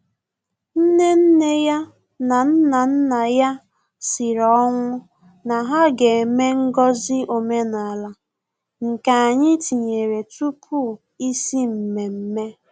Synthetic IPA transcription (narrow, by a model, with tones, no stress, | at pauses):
n̩˦ne˦n̩˦ne˦ja˦ | na˨n̩˦na˨n̩˦na˨ja˦ | si˨ɾɔ˨˦ŋʷʊ˦ | na˨ɦa˦ɡe˨me˦ŋ̩˦ɡɔ˦zɪ˦ʔo˨me˦na˨a˨la˦ | ŋ̩˨ka˨a˨ɲɪ˦ti˨ɲe˨ɾe˨tu˦pʰu˦˨ | i˦si˦m̩˨me˨m̩˦me˦